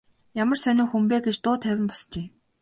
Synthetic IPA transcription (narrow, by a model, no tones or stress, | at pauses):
jamə̆rsœnʊ̆ːxumpeːɡet͡ɕt̪ʊːt̪ʰæwʲɪ̆mpɔ̥st͡ɕeː